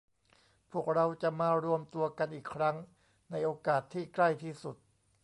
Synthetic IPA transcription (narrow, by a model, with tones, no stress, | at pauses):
pʰu˥˩ək̚ɾa˧wt͡ɕa˨˩maː˧ɾu˧əmt̪u˧ɐka˧nʔiː˨˩kʰɾa˦˥ŋ | na˧jʔoː˧kaː˨˩t̪ʰːiː˥˩kla˥˩jt̪ʰiː˥˩su˨˩t̪̚